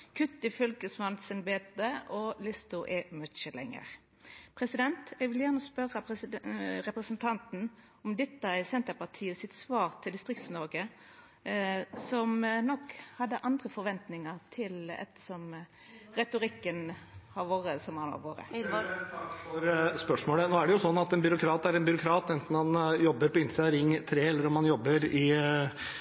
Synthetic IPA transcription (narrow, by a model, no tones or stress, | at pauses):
kʰʉt̪ːɪfœlkəsmɑnsɛnbeːt̪əʔɔlɪst̪ʊʔɛmœt͡ʃəlɛ̰ŋːə̰ʁ | pʰʁɛsɪd̪ɛnt̪ɛɡʋɪljæːʁnəspœʁəp | ʁɛpʁəsənt̪ʰɑnt̪n̩ | ɔmd̪ɛt̪ːəɪsɛnt̪əpɑʁt̪ʰiːəsɪt̪sʋɑːʁt̪ʰɪld̪ɪst̪ʁɪkt̪snɔʁɡə | sɔmnɔkhɑd̪ːəʔɑnd̪ɾəfɔɾʋɛnt̪nɪŋəɾt̪ʰɪlɛ̰t̪ːəsɔm | ɾɛt̪ʊɾɪkːənhɑʋoːɾəsɔmɑnɑ̰ʋoːɾə̰ | ɑkfɔɾspœʂmoːlənoːæɖɛjʊsɔnːɑt̪ɛnbʏɾʊkʰɾɑːt̪æɾɛnbʏɾʊkʰɾɑːt̪ɛnt̪n̩hɑnjɔbːəɾpɔɪnsɪɑɾɪŋːt̪ʰɾeːɛlːəɾɔmɑnjɔbːəɾɪ